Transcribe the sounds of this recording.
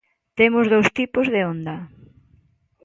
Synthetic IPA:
t̪emʊzð̞owst̪ipʊzðeond̪ɐ

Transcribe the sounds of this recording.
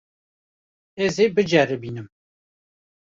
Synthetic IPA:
ɛzebɨd͡ʒɛɾɨbiːnɨm

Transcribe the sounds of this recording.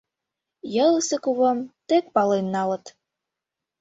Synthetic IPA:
jɤ̆lsə̆kuβɤ̆mt̪ek̚pɑlenːɑlɤ̆t̪

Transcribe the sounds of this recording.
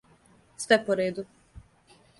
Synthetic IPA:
sʋɛpoɾeːd̪u

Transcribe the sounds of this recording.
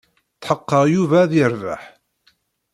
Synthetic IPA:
θħəqːəʁjuvæðjəɾva̰ħ

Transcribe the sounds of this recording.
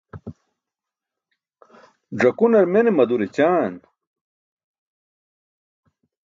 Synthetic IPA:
ʐɐkunɐɾmenemɐd̪uɾet͡ɕaːn

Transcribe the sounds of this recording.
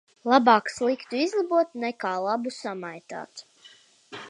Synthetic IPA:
lˠabaːkslˠikt̪uizlˠabuɔt̪nɛkaːlˠabusamajt̪a̰ːt̪

